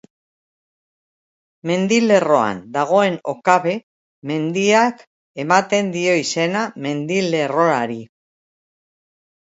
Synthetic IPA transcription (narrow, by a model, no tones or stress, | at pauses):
me̞nd̪ile̞ro̞a̰nd̪aɣ̞o̞e̞no̞̰kaβe̞ | me̞nd̪iak | e̞mat̪e̞nd̪io̞ise̞name̞nd̪ile̞ro̞aɾi